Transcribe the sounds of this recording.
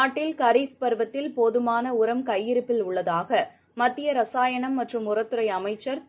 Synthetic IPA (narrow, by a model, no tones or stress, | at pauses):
aːʈːɪlkɐɾiːfpɐɾʋɐt̪ːɪlpoðɯmaːnɐʊɾɐmkɐjːɪɾɯpːɪlʊɭːɐðaːɣɐ | mɐt̪ːɪjɐɾɐsaːjɐɳɐmːɐʈrɯmʊrɐt̪ːɯɾɐɪɐmɐɪt͡ʃːɐɾ